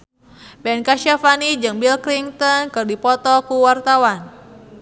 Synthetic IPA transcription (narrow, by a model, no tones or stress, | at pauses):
bɛnkaʃafanid͡ʒɨŋbilkliŋt̪ɔnkɨrdipɔt̪ɔkuwart̪awan